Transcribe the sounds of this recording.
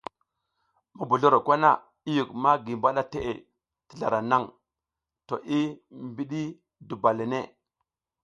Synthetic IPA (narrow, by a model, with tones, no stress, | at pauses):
ma˦bu˨ɮo˦ɾo˨kʷa˦na˦ | i˦ju˨kma˦ɡi˨mba˦ɗa˦te˦˨ʔḛ˨ | ti̥˨ɮa̰˨ɾa˨na˦˨ŋ | to˨ʔi˦mbi˦ɗi˦ | du˨ba˨le˨ne˦˨